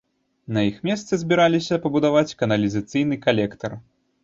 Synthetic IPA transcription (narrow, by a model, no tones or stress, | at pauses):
nɐjixmʲɛst̪sɐzʲbʲiɾalʲisʲɐpɐbud̪avat͡sʲkɐnɐlʲizɐt̪sɨjn̪ɨkalʲɛkt̪ɐr